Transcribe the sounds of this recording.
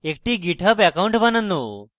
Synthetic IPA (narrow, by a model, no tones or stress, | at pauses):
ekʈiːɡiʈʰəpɛkauɳʈbanənːo